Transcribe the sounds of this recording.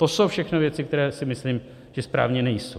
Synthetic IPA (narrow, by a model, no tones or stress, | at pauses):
t̪oso̞wfʃɛxnovjɛt͡sɪkt̪ɛɾɛːsɪmɪsliːm | ʒ̥ɛspɾa̰ːvɲɛnɛjso